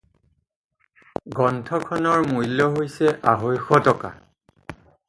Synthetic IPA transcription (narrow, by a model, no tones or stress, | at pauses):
ɡɔntʰɔkʰɔnɔɹmujlɔɦojsɛʔaɦojxɔtɔka̰